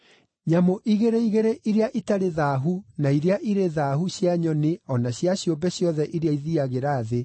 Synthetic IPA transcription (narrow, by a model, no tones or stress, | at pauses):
ɲamoʔiɣeɾeiɣeɾeʔiɾeaʔitaɾeðaɦunaiɾeaʔiɾeðahuɕjaɲɔneɔnaɕjaɕjombɛɕjɔðɛʔiɾeaiðiaɣeɾaːðe